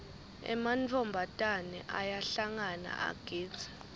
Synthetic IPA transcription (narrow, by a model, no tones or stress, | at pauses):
ɛ̰mant͡fʰɔmbʱatʼanɛʔajaɬaŋana̰ʔa̰ɡ̥ʱiːd͡z̥ʱḁ